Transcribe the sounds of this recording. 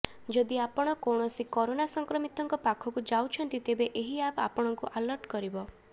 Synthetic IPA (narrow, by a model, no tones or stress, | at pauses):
d͡ʒɔd̪iapɔɽ̃ɔkɔɳ̃ɔsikɔɾonasɔŋkɾɔmit̪ɔŋkɔpakʰɔkud͡ʒawt͡ʃʰɔnt̪it̪ebeʔeɦiapapɔɽ̃ɔŋkuʔalɔɾʈkɔɾibɔ